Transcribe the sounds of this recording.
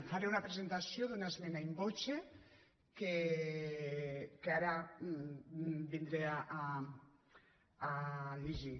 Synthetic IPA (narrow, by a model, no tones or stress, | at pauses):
faɾeunapɾezent̪asjoðunaezmɛnaimbot͡ʃe | ke | keaɾa | bind̪ɾeaʔa | aʎeʒi